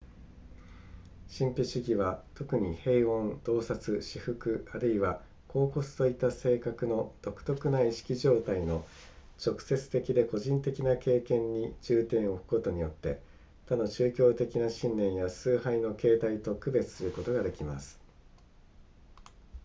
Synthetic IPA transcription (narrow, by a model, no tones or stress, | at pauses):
ɕĩmpʲiɕiɡʲiβat̪o̞kɯ̟ɲ̟ihe̞iõ̞nd̪̥o̞ːsat͡sɨɕiɸɯ̟kɯ̟aɾɯ̟iβa | ko̞ːko̞sɨ̥t̪o̞it̪ːase̞ːkakɯ̟no̞d̪̥o̞kɯ̟̥t̪o̞kɯ̟naiɕi̥kʲiʑo̞ːt̪aino̞ | t͡ɕo̞kɯ̟̥se̞t͡sɨ̥t̪e̞kʲid̪e̞ko̞ʑĩnt̪e̞kʲinake̞ːkẽ̞ɲ̟ːid͡ʑɨːt̪ẽ̞ɰ̃o̞ɸɯ̟̥ko̞t̪o̞ɲ̟ijo̞t̪ːe̞̰ | t̪ad̪o̞t͡ɕɨːkʲo̞ːt̪e̞kʲinaɕĩnːẽ̞ɰ̃jasɨːhaino̞ke̞ːt̪ait̪o̞kɯ̟be̞t͡sɨ̥sɨɾɯ̟ko̞t̪o̞ɡad̪e̞kʲima̰sɨ̥